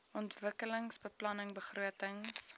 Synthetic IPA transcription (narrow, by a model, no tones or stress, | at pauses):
ɔntvəkələŋsbəplɐnəŋbəχruətəŋs